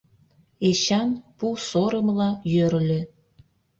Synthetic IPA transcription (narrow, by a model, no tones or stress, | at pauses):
eɕɑnpusoɾə̆mlɑjøɾlʲe